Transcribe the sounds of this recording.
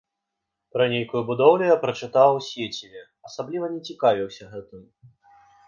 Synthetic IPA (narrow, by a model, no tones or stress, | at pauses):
pɾɐnʲejkujubud̪ɔwlʲɛjapɾɐt͡ʂɨt̪awsʲet͡sʲivʲɛ | ɐsablʲivɐnʲɛt͡sʲikavʲiwsʲɐɣɛt̪ɨm